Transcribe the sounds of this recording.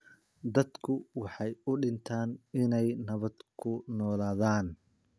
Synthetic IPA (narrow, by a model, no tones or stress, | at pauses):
d̪ɐd̪kʰʊwɑħɑjʊɖɪnt̪ʰaːnɪnɛjnɐβɐd̪kʰʊnɔːlaːðaːn